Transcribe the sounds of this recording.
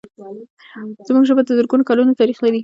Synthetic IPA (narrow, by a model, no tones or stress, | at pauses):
z̥muɡʒəbad̪əzəɾɡunokalunot̪aɾixlaɾi